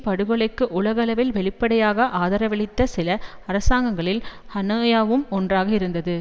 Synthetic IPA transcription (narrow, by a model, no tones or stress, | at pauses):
pɐɽɯɣɯɭɐɪkːɯʔʊɭɐɣɐɐlɐʋɪlʋɛɭɪpːɐɽɐjaːɣɐʔaːðɐɾɐʋɛɭɪt̪ːɐsɪlɐɐɾɐsaːŋɡɐŋɡɐɭɪlhɐnɯːjaːʋɯmɔndraːɣɐɪɾɯnd̪ɐðɯ